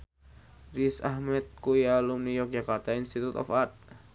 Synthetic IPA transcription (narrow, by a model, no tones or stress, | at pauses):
risahmɛt̪̚kujalumnijɔk̚d͡ʒakart̪ainst̪it̪ut̪ɔ̰fat̪̚